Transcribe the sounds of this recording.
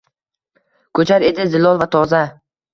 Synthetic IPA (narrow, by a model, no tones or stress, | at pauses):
kʰɵt͡ʃʰaɾe̞d̪ɪzɪlɒlˠvat̪ʰɒza